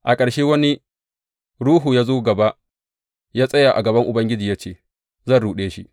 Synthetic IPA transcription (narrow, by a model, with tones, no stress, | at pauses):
ʔa˨kʼɐ˨ɽʃeː˦wɐ˦ni˦ | ɽuː˦ɦuː˨jaː˦zoː˦ɡɐ˨ba˦ʔ | jaː˦sʼɐ˦ja˨ʔa̰˨ɡɐ˨bɐ˦ŋʔʊ˨bɐ˦ŋɡʲɪ˦d͡ʒiː˨jaː˦t͡ʃeː˨ | zɐ˦nɽuː˨ɗeː˦ʃḭ˦